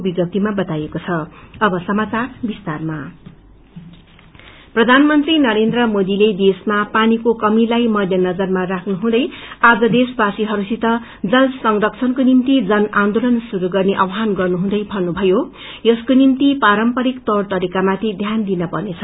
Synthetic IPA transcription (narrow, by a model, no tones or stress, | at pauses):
biɡʌp̚t̪imabʌt̪ajekot͡sʰʌʌbʌsʌmat͡sarbist̪arma | prʌd̪ʱanmʌnt̪rinʌɾend̪rʌmod̪iled̪esmapanikokʌmilajmʌd̪ʱjʌnʌd͡zʌrmarakʰnuɦũd̪ʌjad͡zʌd̪esbasiɦʌɾusit̪ʌ | d͡zʌlsʌŋrʌkt͡sʰʌnkonint̪id͡zʌnand̪olʌnsuɾuɡʌrneʔʌwɦanɡʌrnuɦũd̪ʌjbʱʌnːubʱʌjo | jʌskonint̪ipaɾʌmpʌɾikt̪ʌrt̪ʌɾikamat̪ʰid̪ʱjand̪inʌpʌrnet͡sʰʌ